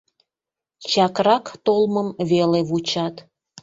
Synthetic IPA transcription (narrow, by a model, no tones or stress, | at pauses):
t͡ɕɑkrɑkt̪olməmβeleβut͡ɕɑt̪